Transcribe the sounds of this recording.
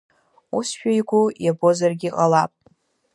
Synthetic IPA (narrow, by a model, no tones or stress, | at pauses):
usʃᶣajɡʷujabo̞zarɡʲiqʼalapʼ